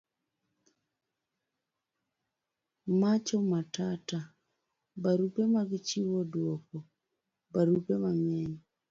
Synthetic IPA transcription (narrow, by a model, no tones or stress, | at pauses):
mat͡ʃɔmatata | baɾupemaɣit͡ʃiβɔdwokɔ | baɾupeβamjeɲi